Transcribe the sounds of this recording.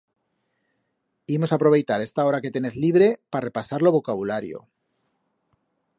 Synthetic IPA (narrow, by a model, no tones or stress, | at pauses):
imo̞sapɾo̞β̞e̞jt̪aɾe̞st̪ao̞ɾake̞t̪e̞ne̞θliβ̞ɾe̞pare̞pasaɾloβo̞kaβulaɾjo̰